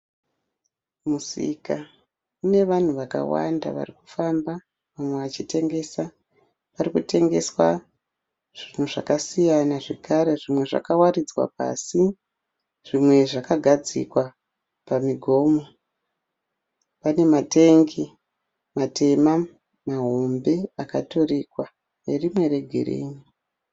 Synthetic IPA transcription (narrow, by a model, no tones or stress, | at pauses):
musḭka | une̞ʋan̤uʋaka̰wa̰nda̰ʋa̰riku̥famba | ʋamwe̞ʋat͡ʃite̞ŋɡe̞sa | ʋarikute̞ŋɡe̞swa | ʐ̥in̤uʐa̰kasijanaʐekaɾe̞ʐimwe̞ʐa̰kawarid͡zwa̰pa̰si | ʐ̥imwe̞ʐakaɡʱad͡zḭkwa | pamiɡʱo̞ːmo | pane̞mate̞ŋɡi | matʰe̞ma | maɦombe̞akato̞riːkwa | erimwe̞re̞ɡʱe̞̰rḛːni